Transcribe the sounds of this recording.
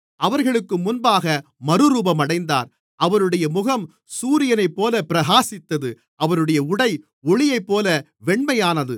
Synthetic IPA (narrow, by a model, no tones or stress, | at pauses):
ɐʋɐɾɣɐɭɯkːɯmʊnbaːɣɐ | mɐɾɯɾuːbɐmɐɽɐɪnd̪a̰ːɾ | ʔɐʋɐɾɯɽɐjɐmʊɣɐm | suːɾɪjɐnɐɪpːoːlɐpɪɾɐɣaːsɪt̪ːɐðɯ | ʔɐʋɐɾɯɽɐjɐʊɽɐɪ | ɔɭɪjɐɪpːoːlɐ | ʋɛɳmɐjaːnɐðɯ